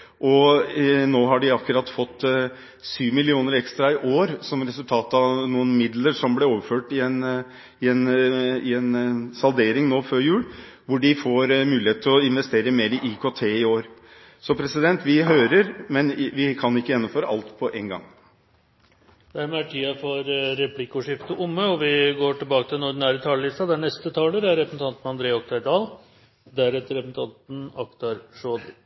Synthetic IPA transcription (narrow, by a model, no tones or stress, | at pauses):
ʔɔ | noːɦɑɖɪɑkːʉɾɑt̪ːfɔt̪ː | syːʋmɪlɪuːnəɾɛkst̪ɾɑɪʔoːɾsɔmɾɛsʉlt̪ʰɑːt̪ɑʋnuːənmɪd̪ləɾʂɔmblɛoːʋəɾføːʈɪɛn | ɪɛnɪɛnsɑld̪eːɾɪŋnoːføːɾjʉːl | ʋʊɖɪfoːɾmʉːɪheːt̪ʰɪlɔɪnʋɛst̪eːɾəmeːɾɪʔikʰoːt̪ʰeːɪoːɾ | sɔpʰɾɛsɪd̪ɛnt̪ʰʋɪɦøːɾəɾmɛnʋɪkʰɑnɪkːəjɛnːʊmføːɾəʔɑlt̪pʰɔʔeːŋɡɑ̰ŋ | d̪̥æɾmɛæʈʰiːɑfɔɾːɛpʰlɪkʊʂɪft̪əʔʊmːəɔʋɪɡoːʈɪlbɑːkət̪ʰɪlnʊɖn̩æːɾət̪ʰɑːləlɪst̪ɑd̪æɳɛst̪ət̪ʰɑːləɾæɾɛpəsn̩t̪ʰɑnt̪nɑnd̪ɾeːɔk̚t̪æɾd̪ɑːl | d̪æɾɛt̪əɾɛpn̩t̪ʰɑnt̪n̩ɑkt̪ɑɾʂoːd̪